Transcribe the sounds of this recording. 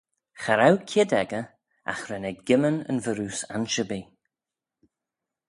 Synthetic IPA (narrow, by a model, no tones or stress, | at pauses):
xaɾawkʰɪdɛɡə | a̰xɾɛnɛɡɡɪmənə̰nvəɾuːsa̰nʃəbi